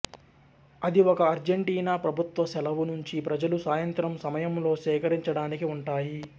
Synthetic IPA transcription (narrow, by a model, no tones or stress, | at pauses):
ɐd̪iɔkɐːɾd͡ʒeɳʈiːnaːpɾɐbʱut̪ʋɐsɛlɐʋunuɲt͡ʃipɾɐd͡ʒɐlusaːjɐnt̪ɾɐmsɐmɐjɐmlo̞ːʃɛːkɐɾiɲt͡ʃɐɽaːnikiuɳʈaːji